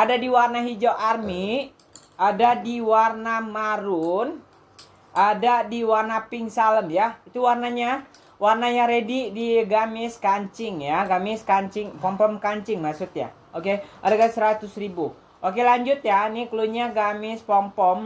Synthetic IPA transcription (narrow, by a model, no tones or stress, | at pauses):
ʔadadiwarnaɦid͡ʒoʔarmi | adadiwarnamaɾun | ʔadadiwarnapɪŋsaləmjait̪uwarnaɲa | warnaɲaɾedidiɡamɪskaɲt͡ʃɪŋjaɡamɪskaɲt͡ʃɪŋpɔmpɔmkaɲt͡ʃɪŋmaksʊt̪̚ja̰ | okeadakasəɾat̪ʊsribu | ʔokelaɲd͡ʒʊt̪̚janikəluɲaɡamɪspɔmpɔm